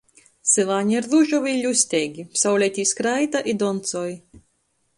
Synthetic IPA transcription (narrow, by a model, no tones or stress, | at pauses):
sɨlˠaːɲiɾðuʒɔvʲilʲusʲt̪ʲeːɡʲipsawlʲɛt̪ʲiːskɾajd̪aʔid̪ɔnt̪sɔːj